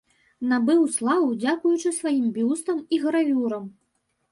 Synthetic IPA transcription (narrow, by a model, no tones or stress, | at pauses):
nabɨwslˠavud͡zʲakujut͡ʂɨsvajimbʲjust̪ɐmiɣɐɾavʲuɾɐm